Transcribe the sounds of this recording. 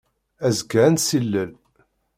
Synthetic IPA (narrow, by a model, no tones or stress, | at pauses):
æzəɡʕænsilːəl